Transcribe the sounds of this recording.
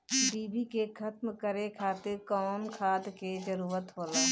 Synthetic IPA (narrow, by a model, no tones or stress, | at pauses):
ɖiːbikekʰət̪mkəɾekʰaːt̪ɪɾkɔːnkʰaːd̪ked͡ʒəɾuːɾət̪ɦoːlaː